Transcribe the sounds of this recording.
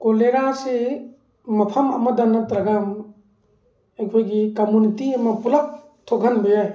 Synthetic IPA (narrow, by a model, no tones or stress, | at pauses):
koleɾasi | mɐpʰɐmɐ̰mɐd̪ɐnːɐt̪ɾɐɡam | ekʰojɡikɐmunitiɐmɐpulɐp̚ | t̪ʰokʰɐnbejaj